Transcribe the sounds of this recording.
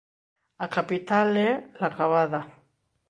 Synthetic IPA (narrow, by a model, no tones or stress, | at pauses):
akapit̪alelaɣaβaða